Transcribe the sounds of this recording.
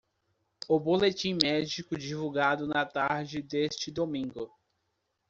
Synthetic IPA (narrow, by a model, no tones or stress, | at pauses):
ʊbolet͡ʃĩmɛd͡ʒikʊd͡ʒivuɡad̪ʊnɐt̪aɾd͡ʒɪd̪est͡ʃɪd̪omĩŋɡʊ